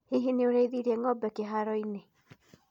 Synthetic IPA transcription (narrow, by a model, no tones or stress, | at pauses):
hiɦineoɾɛiðiɾiɛŋɡɔbɛkeɦaɾɔine